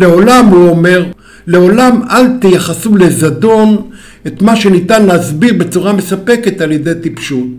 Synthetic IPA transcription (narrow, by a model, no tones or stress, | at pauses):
le̞o̞lamhuo̞me̞ʁ | le̞o̞lamalt̪ejaχasule̞zado̞n | et̪maʃe̞nitanleazbiʁbe̞t͡suʁame̞sape̞ke̞t̪alje̞de̞jt̪ipʃut̚